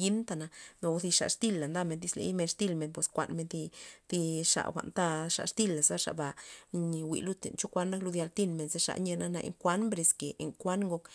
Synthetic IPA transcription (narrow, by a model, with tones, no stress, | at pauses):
ji˦nt̪a˧na˧no˨˧zi˧ʂa̰˨ʂt̪i˧˨lːa˨nd̪a˧me˧d̪i˧slḛ˧˦jme˧ʂt̪i˦˧lme˧npwe˨skʷa̰˧nme˧nd̪i˧d̪i˧ʂa̰˨xʷa̰˨nt̪a˧ʂa̰˨ʂt̪i˧˨lːa˨sa˦ʂa̰˨ba˨ɲ˧wḭ˨lu˧t̪ḛ˨nt͡ʃo˦kʷa˦nːa˦klu˧d̪ja˧lt̪i˧nme˧nze˧ʂa̰˧ʔɲe˧na˦na̰˧ʔḛ˧ŋkʷa˦nmbɾe˧ske˨ḛ˧ŋkʷa˦nŋɡo˧k